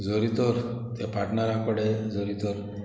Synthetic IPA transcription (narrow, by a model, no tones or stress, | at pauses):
d͡zɔɾit̪ɔɾt̪epaʈɳaɾakɔɽed͡zɔɾit̪ɔɾ